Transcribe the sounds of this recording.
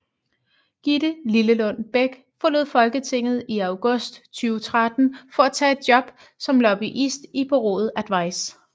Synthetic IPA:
ɡ̥idəliləlɔ̽n̰b̥eɡ̥ | fɒ̽loð̩̰ˠfɒ̽lɡ̥ət͡sʰe̝ŋ̰ð̞̩ˠiɑ̈ʊɡ̥ɔsd̥t͡sʰyːʊt͡sʰʁad̥n̩fɒ̽æt͡sʰɛ̰ːe̝d̥̚jɒ̽b̥ | sɒ̽mlɒb̥iʔisd̥ipʰɒʁo̝̰ːð̩ˠæd̥ʋɑ̈ɪ̰s

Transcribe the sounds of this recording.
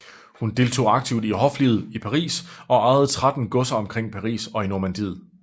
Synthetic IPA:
hund̥e̝lt͡sʰo̝̰ːɑ̈ɡ̥̚t͡sʰiʊd̥iɦɒ̽flið̩ˠipʰɑ̈ʁḭːsɒ̽ɑ̈ʁɛð̩ˠt͡sʰʁad̥n̩ɡ̥ɔ̽sɐɒ̽mkʰʁeŋ̰pʰɑ̈ʁḭːsɒ̽inoɐmænd̥iːð̩ˠ

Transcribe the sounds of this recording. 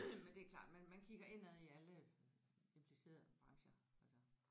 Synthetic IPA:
mend̥e̝æklɑ̰̈ːd̥mænmænkʰiɡ̥ɐe̝næðˠiælə | e̝mpʰlise̝̰ːɐð̩ˠb̥ʁɑ̈ŋɕɐælsɐ

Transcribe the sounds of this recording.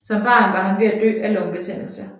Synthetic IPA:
sɒ̽mb̥ɑ̈ːnʋɑ̈ɦænʋe̝æd̥ø̰ːælɔ̽ŋb̥et͡sʰen̰l̩sɐ

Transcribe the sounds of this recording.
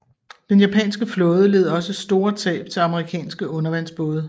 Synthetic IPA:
d̥enjæpʰɛ̰ːnsɡ̥əflɔ̽ːð̞ˠəle̝ð̞̩ˠɒ̽səsd̥o̝ːɐt͡sʰɛ̰ːb̥t͡sʰe̝lɑ̈məʁikʰɛ̰ːnsɡ̥əʔɔ̽nɐʋæn̰sb̥ɔːðˠ

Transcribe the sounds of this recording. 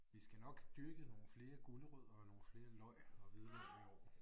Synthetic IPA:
ʋisɡ̥ænɒ̽ɡ̥d̥øɡ̥əno̝ːn̩fle̝ːɐɡ̥o̝ləʁøð̰ˠɐɒno̝ːn̩fle̝ːɐlɒ̽ɪ̰ɒ̽ʋiðˠʋæiɒ̰̥

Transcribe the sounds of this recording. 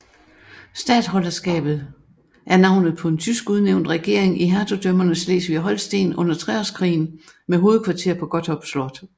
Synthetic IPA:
sd̥ɛ̰ːd̥ɦɒ̽lɐsɡ̥ɛ̰ːb̥ð̞̩ˠ | ʔæɐnɑ̈ʊnð̩ˠpʰɒ̽e̝nt͡sʰysɡ̥uðˠneʊ̰nd̥ʁɛɡ̥e̝ɐ̰eŋʔiɦæɐt͡sʰo̝d̥ømɐnəsle̝̰ːsʋiæɦɒ̽l̰sd̥e̝̰ːnʔɔ̽n̰ɐt͡sʰʁɛɒskʰʁḭːn̩meɦo̝ːð̩ˠkʰʋɑ̈t͡sʰe̝ɐ̰pʰɒ̽ɡ̥ɒ̽d̥ɒ̽b̥slɒd̥

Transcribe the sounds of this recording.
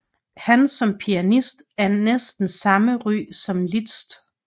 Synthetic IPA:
hænsɒ̽mpʰiænisd̥æɐnesd̥n̩sɑ̈məʁy̰ːsɒ̽mlid̥sd̥

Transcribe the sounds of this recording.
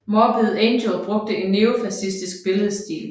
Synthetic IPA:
mɒb̥eð̩ˠend̥ob̥ʁɔ̽ɡ̥̚d̥əe̝nːeːofæsisd̥isɡ̥̚b̥e̝ləðˠəsd̥ḭːl

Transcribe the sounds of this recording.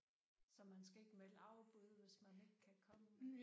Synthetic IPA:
sɒ̽mːænsɡ̥æe̝ɡ̥melɑ̈ʊb̥uð̞ˠʋe̝smæne̝ɡ̥̚kʰækʰɒ̽mə

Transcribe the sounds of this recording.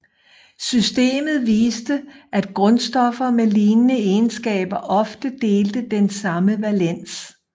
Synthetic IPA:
sysd̥e̝̰ːmð̞̩ˠʋiːsd̥əʔæd̥ɡ̥ʁɔ̽nsd̥ɒ̽fɐmeliːnnəeɪnsɡ̥ɛ̰ːb̥ɐʔɒ̽fd̥əd̥e̝ːld̥əd̥ensɑ̈məʋælen̰s

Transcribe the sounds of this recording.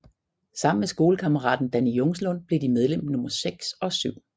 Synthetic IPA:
sɑ̈m̰n̩mesɡ̥o̝ːləkʰɑ̈məʁɑ̰̈ːd̥n̩d̥ænijɔŋslɔ̽n̰b̥le̝d̥imeð̞ˠlem̰nɔ̽mɐseɡ̥sɒ̽syʊ̰

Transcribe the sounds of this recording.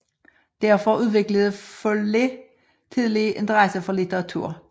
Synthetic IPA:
d̪̥æɐfɔʉːðˠʋɪkləðəfɔldɪ | t̪ʰiːðəlɪʔɪ̰nd̪ʁæsəfɔlɪt̪əʁɑt̪ʰʉ̰ː

